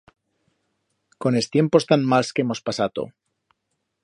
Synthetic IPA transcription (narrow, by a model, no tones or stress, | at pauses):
ko̞nest̪je̞mpo̞st̪anmalskeemo̞spasat̪o̰